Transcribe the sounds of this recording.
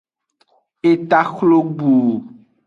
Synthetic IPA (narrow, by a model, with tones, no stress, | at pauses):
e˨t̪a˦xlo˦ɡ͡bo˨